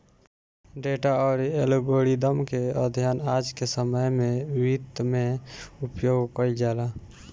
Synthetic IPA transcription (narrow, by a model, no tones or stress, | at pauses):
ɖeːʈaɔːɾelɡoːɽid̪əmkeəd̪ʱjaːnaːd͡ʒkesəməjmẽwit̪mẽʊpjoːɡkəid͡ʒaːlaː